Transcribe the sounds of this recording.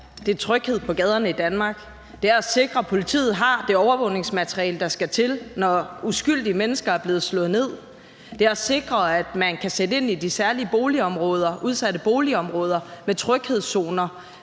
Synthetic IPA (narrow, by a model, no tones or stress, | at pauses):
d̥e̝t͡sʰʁœɡ̥he̝ð̞̰ˠpʰɒ̽ɡ̥ɛð̞ˠɐnəid̥ænmɑ̈ːɡ̥ | d̥e̝æɐæse̝ɡ̥ʁɐpʰo̝lit͡sʰḭːð̞̩ˠɦɑ̈d̥e̝ɒʊɐʋɔ̽ʊne̝ŋsmæt͡sʰʁiɛ̰ːld̥ɑ̈sɡ̥æt͡sʰe̝lnɒusɡ̥yl̰d̥iəmenəsɡ̥ɐæɐb̥le̝ːð̞̩ˠslɔ̽ð̩ˠne̝ð̞̰ˠ | d̥e̝æɐæse̝ɡ̥ʁɐæd̥mænkʰæsed̥əe̝n̰id̥isæɐliəb̥o̝ːliɒ̽mʁɔ̽ːð̞ˠɐʔuð̞ˠsæd̥əb̥o̝ːliɒ̽mʁɔ̽ːð̞ˠɐmet͡sʰʁœɡ̥he̝ð̞̰ˠso̝ːnɐ